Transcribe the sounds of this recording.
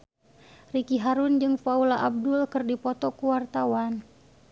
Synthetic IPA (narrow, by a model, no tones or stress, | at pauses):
rikiɦaɾʊnd͡ʒɨŋfaulaʔab̚dʊlkɨrdipɔt̪ɔkuwart̪awan